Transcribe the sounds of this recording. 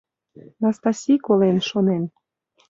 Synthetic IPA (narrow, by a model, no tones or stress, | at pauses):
nɑst̪ɑsʲikolenʃonen